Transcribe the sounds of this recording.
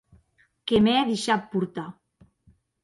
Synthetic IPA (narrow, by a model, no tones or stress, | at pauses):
kemeaðeʃat̚puɾt̪a